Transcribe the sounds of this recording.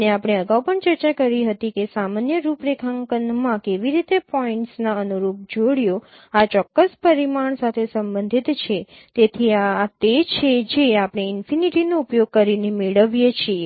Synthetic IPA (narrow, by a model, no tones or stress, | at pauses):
neapɽ̃eəɡaupəɳt͡ʃəɾt͡ʃakəɾiɦət̪ikesamanjəɾupɾekʰaŋkənmãkeʋiɾit̪epɔiɳʈsnaənuɾup̚d͡ʒoɽjo | at͡ʃɔkːəspəɾimaɳsat̪ʰesəmbənd̪ʱit̪t͡ʃʰe | t̪et̪ʰiat̪et͡ʃʰed͡ʒeapɽ̃eɪnfiniʈinoupjoɡ̚kəɾinemeɭəʋjet͡ʃʰie